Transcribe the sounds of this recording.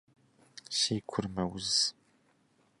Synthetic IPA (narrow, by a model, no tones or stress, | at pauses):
ʃeːkʷʰʊrmɐwʊz